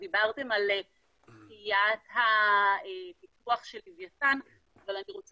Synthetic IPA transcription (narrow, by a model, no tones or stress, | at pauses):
dibaʁte̞mal | kijathaepikuaχʃe̞livjatan | avalaniʁo̞t͡s